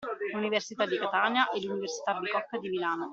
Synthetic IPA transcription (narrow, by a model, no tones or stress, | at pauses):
luniversit̪ad̪ikat̪aːnjaʔɛlːuniversi̥t̪abikɔkːd̪imilaːno